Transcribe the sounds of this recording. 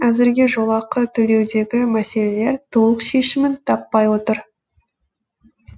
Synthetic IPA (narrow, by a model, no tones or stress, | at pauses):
æzɪɾɡʲe̞ʒo̞lˠɑqət̪ʰɵle̞wd̪e̞ɡʲɪmæse̞le̞le̞ɾt̪ʰo̞lˠəqʃe̞ʃɪmɪnt̪ʰɑpːɑjwo̞t̪əɾ